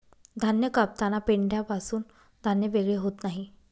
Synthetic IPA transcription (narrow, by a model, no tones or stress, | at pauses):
d̪ʱanjəkap̚t̪anapeɳɖjapasuːn | d̪ʱanjəʋeɡɭeɦot̪naɦi